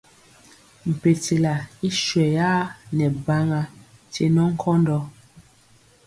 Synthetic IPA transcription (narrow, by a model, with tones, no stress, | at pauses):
m̩˨pe˨te˨la˨i˦ʃwɛ˨jaː˦nɛ˨ba˦ŋa˦ | te˨nɔ˦ŋ̩˦kʰɔ˦ndɔ˦